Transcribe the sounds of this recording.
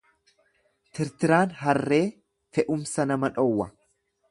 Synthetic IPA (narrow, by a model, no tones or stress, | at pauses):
t̪ɪɾt̪ɪɾaːnɦɐrːe̞ː | fɛʔʊmsɐnɐmɐᶑɔwːɐ